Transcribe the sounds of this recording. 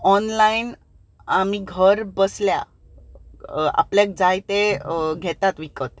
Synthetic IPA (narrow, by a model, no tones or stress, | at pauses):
ɔnlain | amiːɡʱəɾbəslja̰ | a̰pljak̚d͡zajt̪eɡʱet̪at̪ʋikət̪